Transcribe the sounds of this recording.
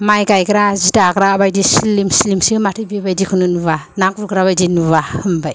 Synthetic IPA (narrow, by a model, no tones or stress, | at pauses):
majɡajɡɾazitaɡɾabajdislimslimsimatʰɯbibajdikʰunɯnuβanak̚ɾuɡɾaβajdinuβahɯmbaj